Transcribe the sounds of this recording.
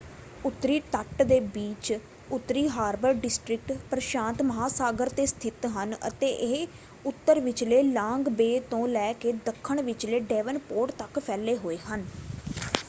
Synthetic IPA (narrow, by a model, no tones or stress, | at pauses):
ʊt̪ːɾiːʈ̪əʈd̪eːbiːt͡ʃ | ʊt̪ːɾiːɦaːɾbəɾɖɪsʈɾɪk̚ʈpɾəʃãːnt̪məɦaːsaːɡəɾt̪eːst̪ʰɪt̪ɦənə̰t̪eːʔeɦ | ʊt̪ːəɾʋɪt͡ʃleːlãːŋɡbeːt̪õːlɛːkeːd̪əkʰːəɳʋɪt͡ʃleːɖɛːʋənpoːʈt̪əkpʰɛːleːɦoːeːɦən